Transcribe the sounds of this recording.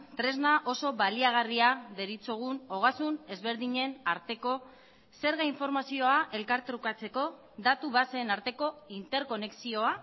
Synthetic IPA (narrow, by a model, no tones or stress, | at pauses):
t̪ɾe̞znaʔo̞so̞βaliaɣ̞ariaðe̞ɾit͡soɣ̞uno̞ɣ̞asune̞zβe̞ɾðiɲe̞naɾt̪e̞ko̞ | se̞ɾɣaiɱfo̞ɾmasio̞aʔe̞lkaɾt̪ɾukat͡se̞ko̞ | d̪at̪uβase̞ːnaɾt̪e̞ko̞int̪e̞ɾko̞ne̞ksio̞a